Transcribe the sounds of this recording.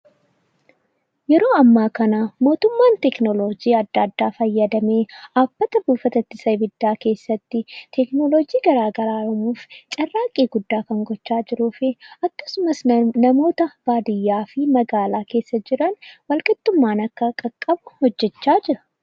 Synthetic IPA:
jɛɾo̞ːɐmːaːkɐnaːmo̞ːt̪ʊmːaːnt̪ɛknɔlod͡ʒiːɐd̪ːaːd̪ːaːfɐjːɐd̪ɐmeːaːb̥ːɐt̪ɐbuːfɐt̪ɐt̪ːɪsɐjbɪd̪ːaːke̞ːsːɐt̪ːɪt̪ʰɛknɔlod͡ʒiːɡɐɾaːɡɐɾaːɾɐmuːft͡ʃʼɐrːaːkʼːiːɡʊd̪ːaːkɐŋɡɔt͡ʃːaːd͡ʒɪɾuːfɪʔɐkːɐ̥sʊmɐsnɐmo̞ːt̪ɐb̥aːd̪ɪjːaːfɪmɐɡaːlaːke̞ːsːɐd͡ʒɪɾɐnwɐlkʼɪt̪ːʊmːaːnɐkːɐkʼɐkʼːɐbʊhɔd͡ʒːɛt͡ʃːaːd͡ʒɪɾɐ̥

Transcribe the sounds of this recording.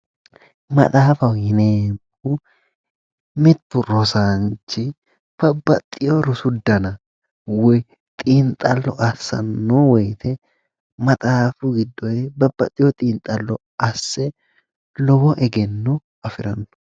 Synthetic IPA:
mɐ̰t̪ʼaːfɐwhɪneː | u | mɪt̪ːʊɾɔsant͡ʃːɪ | b̥ɐbːɐt̪ʼːɪjoɾʊsʊd̪ːɐnɐ | wɔ | t̪ʼiːnt̪ʼɐlːɔʔɐsːɐ̰nːowɔjt̪ʰɛ | mɐt̪ʼaːfʊɡɪd̪ːɔebɐbːɐt̪ʼːɪjɔt̪ʼiːnt̪ʼɐlːɔ | ʔɐsːɛ | lɔbɔʔɛɡɛnːɔ | ɐfɪɾɐnːɔ̥

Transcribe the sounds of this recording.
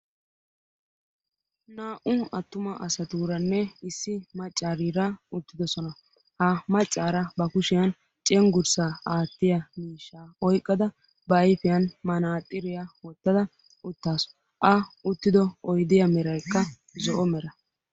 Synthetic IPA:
naːʔʊɐt̪ːʊmɐʔɐ̰sɐt̪uːɾɐnːɛɪsːɪmɐt͡ʃʼːaːɾiːɾɐʊt̪ːɪd̪ɔsɔnɐ | hɐmɐt͡ʃʼːaːɾɐbɐkʊʃɪjɐn | t͡ʃʼɛŋɡʊɾsaːaːt̪ːɪjɐmiːʃːaːɔjkʼːɐd̪ɐ | bɐjfɪjɐnmɐnaːt̪ʼːɪɾɪjɐwɔt̪ːɐd̪ɐ | ʊt̪ːaːsɔ̥ | ʔɐʊt̪ːɪd̪ɔɔjd̪ɪjɐmɛɾɐjkːɐ | zɔʔɔmɛɾɐ

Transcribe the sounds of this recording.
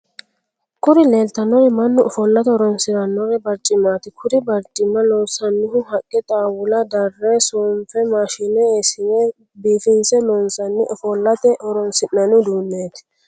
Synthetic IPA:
kʊɾɪleːlt̪ɐnːɔɾɛmɐnːʊʔɔfɔlːɐt̪ɛɔɾɔnsɪɾɐnːɔɾɛbɐɾt͡ʃʼːɪmːaːt̪ɪkʰʊɾɪbɐɾt͡ʃʼːɪmːɐlosɐnːɪhʊhɐkʼːɛt̪ʼaːwʊlɐd̪ɐrːesoːmfɛmaːʃɪnɛsɪnɛ | biːfɪnsɛnɔnsɐnːɪʔɔfɔlːɐt̪ɛʔɔɾɔnsɪnːɐnʊd̪uːnːeːt̪

